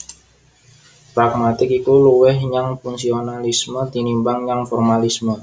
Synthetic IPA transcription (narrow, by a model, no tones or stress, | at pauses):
pɾak̚mat̪ɪkikuluwɛhɲaŋfuŋsionalisməd̪inimbaŋɲaŋfɔrmalismə